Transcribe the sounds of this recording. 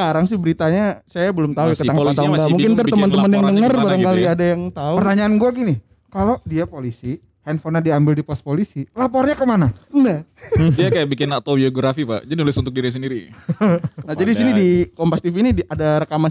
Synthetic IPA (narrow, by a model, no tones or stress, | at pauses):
səkaɾaŋs̬ɪhbəɾit̪aɲasajabəlʊmt̪aukəaŋalat̪aɡamuŋkɪnt̪ərtt̪əmənt̪əmənjaŋdəŋərbaɾaŋkaliadajaŋt̪aupərt̪aɲaːnɡuaɡini | kalodiapolisi | hɛnfonadiambɪldipɔs̚polisilapɔrɲakəmananahdiakajaʔbikɪnat̪obioɡɾafipa̰ʔd͡ʒadinulɪsunt̪ʊk̚diɾis̬əndiɾi | nad͡ʒadis̬inidikɔmpast̪ifinidadaɾakaman